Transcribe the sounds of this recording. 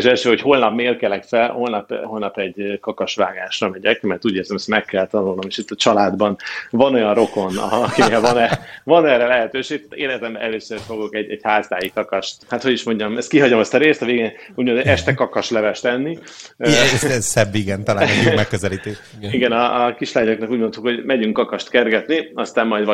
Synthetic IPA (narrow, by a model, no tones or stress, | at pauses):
eʃɛlʃøːɦo̞cho̞ːlnɒpmeːrkɛlɛkfɛlho̞lnɒpɦo̞lnɒpɛɟkɒkɒʃʋa̰ːɡaːʃrɒmɛɟɛkmɛrt̪uːɟeːrzɛmɛst̪mɛkːɛlt̪ɒnulno̞meːʃit̪ːɒt͡ʃɒlaːd̪bɒnvɒno̞jɒnro̞ko̞nɒ̰kineːlvɒnɛvɒnɛːrɛlɛɦɛt̪øːʃeːt̪eːɾɛt̪ɛmbɛ̰ʔɛløːsøfo̞ɡo̞kɛɟɛɟhaːzaːjikɒkɒʃt̪hat̪ho̞ɟiʃmo̞ɲɟɒmɛst̪̚kiɦɒɟomɛst̪ɒɾeːst̪ɒveːɡeuːɟmod̪ɛʃt̪ɛkɒkɒʃlɛvɛʃt̪ɛnːi | sɛzsɛbːiɡɛnt̪ɒlaːnɛimɛkːøzɛliːt̪eːʃ | iɡɛnɒkiʃlaːɲoknɒkuːɟmo̞nt̪ukho̞ɟmɛɟyŋkːɒkɒʃt̪kɛrɡɛt̪niɒst̪aːmːɒjd̪vɒ